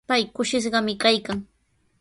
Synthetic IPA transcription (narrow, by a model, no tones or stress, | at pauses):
pajkʊʃɪʃ̬ɢɑmɪkajkaŋ